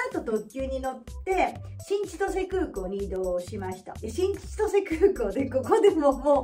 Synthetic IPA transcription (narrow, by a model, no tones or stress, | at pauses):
at̪ot̪o̞kʲɨːɲ̟ino̞t̪ːe̞ɕĩɲt͡ɕi̥t̪o̞se̞kɯːkoːɲ̟ʲiːd̪o̞ːɕimaɕi̥t̪a̰eɕĩɲ̟̥t͡ɕi̥t̪ose̞kɯ̟ːko̞ːd̪e̞ko̞ko̞d̪e̞momoː